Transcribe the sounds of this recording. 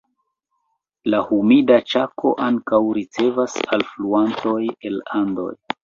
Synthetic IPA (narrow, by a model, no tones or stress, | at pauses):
lahumidat͡ʃakʰo̞̰ʔaŋkawɾit͡se̞vasa̰lfluanto̞je̞lando̞̰j